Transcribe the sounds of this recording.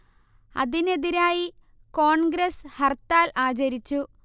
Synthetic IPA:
ɐ̰ðine̞ðiɾaːji | ko̞ːɳɡɾeshɐrt̪ːaːlaːt͡ɕɐɾit͡ɕːu

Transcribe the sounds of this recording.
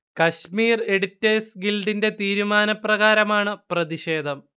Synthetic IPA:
kɐɕmiːre̞ɽitːeːsɡilɖinde̞t̪iːɾumaːnɐprɐɣaːɾɐmaːɳɨprɐðiɕe̞ːd̪ʱɐm

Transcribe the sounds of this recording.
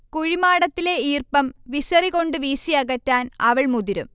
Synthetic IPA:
kuɻimaːɽɐt̪ːile̞iːrpɐmʋiɕɐriɣo̞ɳɖɨʋiːsiɐɣɐtːaːnɐʋɐɭmuðiɾṵm

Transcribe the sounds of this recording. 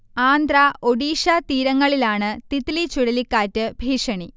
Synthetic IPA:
aːnd̪raʔoɽiːʂat̪iːɾɐŋːɐɭilaːɳɨt̪it̪lit͡ɕuɽɐlikːaːtːɨbʱiːʂɐɳi

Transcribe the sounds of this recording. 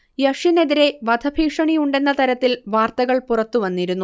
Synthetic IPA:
jɐʂjine̞ðiɾe̞ʋɐd̪ʱɐbʱiːkʂɐɳijuɳɖe̞nːɐt̪ɐɾɐt̪ːilʋaːrt̪ɐɣɐɭpurɐt̪ːuʋɐnːiɾunːu

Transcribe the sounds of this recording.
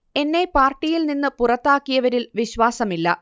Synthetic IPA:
e̞nːe̞paːrʈːijilninːɨpurɐt̪ːaːkːijɐʋɐɾilʋiɕʋaːsɐmilːɐ̰

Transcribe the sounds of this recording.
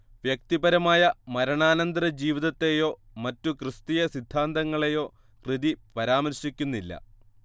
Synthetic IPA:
ʋjek̚t̪ibɐɾɐmaːjɐmɐɾɐɳaːnɐnd̪ɐɾɐd͡ʑiːʋiðɐt̪ːe̞jo̞ː | mɐtːukrɨst̪ijɐsid̪ʱːaːnd̪ɐŋːɐɭejo̞ː | krɨðipɐɾaːmɐɾɕikʲːunːilːɐ̰

